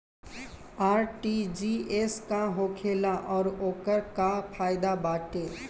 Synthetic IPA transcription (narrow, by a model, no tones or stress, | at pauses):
aːɾʈid͡ʒieskaɦoːkʰeːlaʔɔːɾoːkəɾkapʰaːɪd̪abaːʈe